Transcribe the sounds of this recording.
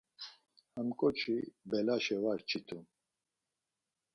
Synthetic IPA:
həmkʼɔt͡ʃʰibɛlaʃɛwaɾt͡ʃʰit̪ʰum

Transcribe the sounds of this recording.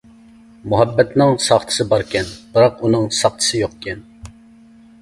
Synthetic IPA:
muɦɛbːɛt̪nɪŋsɑχt̪ʰɨ̥sɨbɑɾkʲɛnb̥ɨɾɑqunɨŋsɑχt̪ʰɨ̥sɨjoqkʲʰɛn

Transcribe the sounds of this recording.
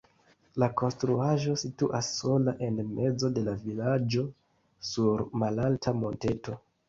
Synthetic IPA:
lako̞nstɾuaʒo̞situʔasːo̞laʔe̞nme̞d͡zo̞de̞lavilad͡ʒo̞ | suɾmalaltʰamo̞nte̞to̞

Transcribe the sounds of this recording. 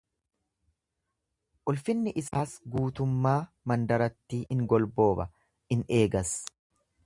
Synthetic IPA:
ʔʊlfɪnːɪʔɪsaːsɡuːt̪ʊmːaː | mɐnd̪ɐɾɐt̪ːiːɪŋɡɔlbo̞ːbɐ | ɪne̞ːɡɐs

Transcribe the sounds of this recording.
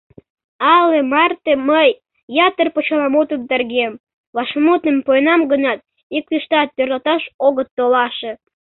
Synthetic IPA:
ɑlemɑrt̪eməjː | ɑt̪ərpot͡ɕɑlɑmot̪əmd̪erɣem | βɑʃmut̪əmpojnɑmɡənɑt̪̚ | ikliʃt̪ɑt̪̚ːørlɑt̪ɑʃoɣət̪ːolɑʃe

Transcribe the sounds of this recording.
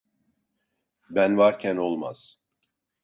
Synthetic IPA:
bænvaɾcʰæno̞lˠma̰z̥

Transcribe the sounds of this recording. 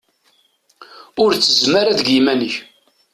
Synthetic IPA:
ʊɾt͡sːəzmaɾaðəɡjimænəç

